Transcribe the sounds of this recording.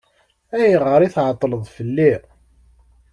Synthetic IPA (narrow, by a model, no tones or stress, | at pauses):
æjəʁəɾiθʕət̪ˤːləðˤfəlːi